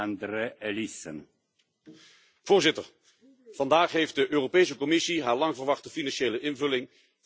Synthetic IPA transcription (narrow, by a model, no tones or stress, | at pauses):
ndəɾəɛlisən | v̥ʊːɹzɪtəɹ | v̥ɑndaːχɦejft̚dəʔøːropejs̬əkɔmɪsiɦaːɹlɑŋvəɹʋɑχtəfinɑnʃejləʔɪnvɵlɪŋ